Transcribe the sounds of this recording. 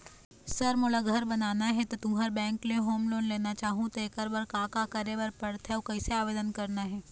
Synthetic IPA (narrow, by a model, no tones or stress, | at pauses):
sɐɾmolaɡʱɐɾbɐnaːnaɦɛt̪ot̪ʊ̃mɦɐɾbɛ̃ːŋkleɦoːmloːnleːnat͡ʃaːɦũt̪oeːkəɾbɐɾkãːkakɐɾebɐɾpɐɽt̪ɦɛokɐiseaːʋeːd̪ənkɐɾnaɦɛː